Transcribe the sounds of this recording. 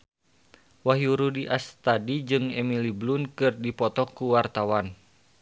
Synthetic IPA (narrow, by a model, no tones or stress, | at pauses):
waɦjuɾudiʔast̪adid͡ʒɨŋɛmiliblunkɨrdipɔt̪ɔkuwart̪awan